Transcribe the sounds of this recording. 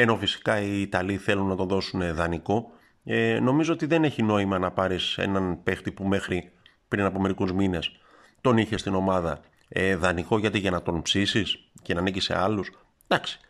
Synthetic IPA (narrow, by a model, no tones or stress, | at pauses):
e̞no̞fisi̥kɐiːt̪ɐliθe̞lunːɐt̪oðo̞suneðɐniko̞ | eno̞mizo̞ot̪iðe̞ne̞çino̞imɐnɐpɐɾisḛnɐnpe̞xt̪ipume̞xɾi | pɾinɐpo̞me̞ɾikuzmine̞s | t̪o̞niçe̞st̪ino̞mɐðɐ | eðɐniko̞ʝɐt̪iʝɐnɐt̪o̞npsisisce̞nɐnicise̞̰ɐlus | d̪ɐksi̥